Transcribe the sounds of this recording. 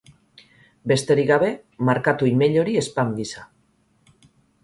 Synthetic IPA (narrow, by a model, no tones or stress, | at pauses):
be̞st̪e̞ɾiɣaβ̞e̞ | maɾkat̪uime̞ʎo̞ɾie̞spaŋɡisa